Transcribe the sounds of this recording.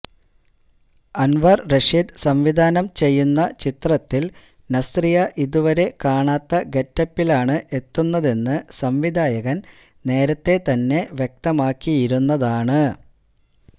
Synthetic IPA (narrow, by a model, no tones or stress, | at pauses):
ɐnʋɐrreʂid̪sɐmʋid̪ʱaːnɐmt͡ɕe̞jːunːɐt͡ɕit̪rɐt̪ːil | nɐsrijɐʔiðuʋɐɾe̞kaːɳaːt̪ːɐɡe̞tːɐpːilaːɳɨʔe̞t̪ːunːɐðe̞nːɨsɐmʋid̪ʱaːjɐɣɐn | ne̞ːɾɐt̪ːe̞t̪ɐnːe̞ʋjek̚t̪ɐmaːkːijiɾunːɐðaːɳɨ